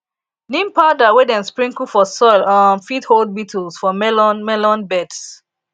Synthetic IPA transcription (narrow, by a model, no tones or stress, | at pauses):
nĩmpadawedãnspɹĩŋkufɔsɔlanfithold̚bitʰəlsfɔmɛlɔnmɛlɔ̃nbɛds